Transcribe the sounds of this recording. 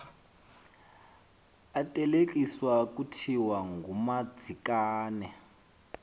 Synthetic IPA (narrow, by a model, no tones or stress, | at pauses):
atʼɛlek̬ʼiswak̬utʰiwaŋɡumad͡zʱikaːnɛ